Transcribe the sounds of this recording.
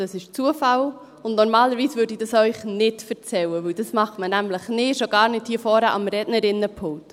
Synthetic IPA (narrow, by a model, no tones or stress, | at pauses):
d̥ɑsɪʃt͡suəfɑl | ʊnnɔɾmɑːləɾviːsvʏːɾdid̥ɑsœʏχnɪtfəɾt͡sɛwəʋɵwd̥ɑsmɑχmənæmləχnɪʃoɡɑːɾnɪthiːfɔːɾæʔɑmɾɛdnəɾɪnːəpʰʊŋt